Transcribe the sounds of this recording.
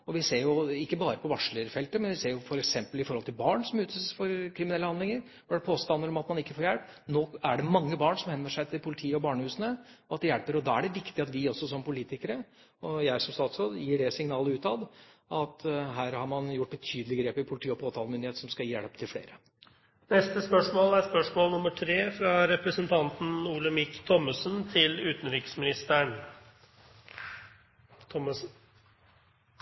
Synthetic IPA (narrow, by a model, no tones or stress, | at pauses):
ɔʋɪseːɾjʊɪkːəbɑːɾəpʰɔʋɑʂɭəɾfɛlt̪əmɛnʋɪseːɾjʊfɔɾɛksɛmpəlɪfɔɾhɔlt̪ʰɪlbɑːɳsɔmʉːt̪ʰəsfɔɾkʰɾɪmɪnɛlːəhɑnɪŋəɾ | ɔɖɛpʰoːst̪ɑnəɾɔmɑt̪mɑnɪkːəfoːɾjæɽpː | noːæɖɛmɑŋːəbɑːɳʂɔmhɛnːəʂæɪt̪ʰɪlpʰʊlɪt̪ʰiːəɔbɑːɳəhʉːsənəɔɑt̪̚d̪ɛjæɽpəɾɔd̪ɑːæɖɛʋɪkt̪ɪɑt̪ʋɪɔsːɔsɔmpʊliːt̪ɪkəɾə | ɔjæɪsɔmst̪ɑːt̪sod̪jiːɖɛsɪŋnɑːləʉːt̪ɑʋʔɑt̪ɦæːɾhɑɾmɑnjʊʈ̚ːbət̪ʰyːd̪əlɪɡɾeːpɪpʰʊlɪt̪ʰiːɔpʰoːt̪ʰɑːlmʏnd̪ɪeːt̪sɔmskɑjiːjæɽpt̪ʰɪlfɽḛːɾə | nɛst̪əspœʂmoːlæɾspœʂmoːlnʊmːəʈʰɾeːfɾɑɾɛpɾəsənt̪ʰɑnt̪n̩uːləmɪkːt̪ʰɔmːəsənt̪ʰɪlʉːt̪n̩ɾikə̥smɪnɪst̪əɳ | t̪ʰɔm